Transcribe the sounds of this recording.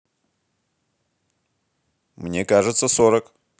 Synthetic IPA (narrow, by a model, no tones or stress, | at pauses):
mnʲe̞kaʐɨt̪sʰɐsoɾək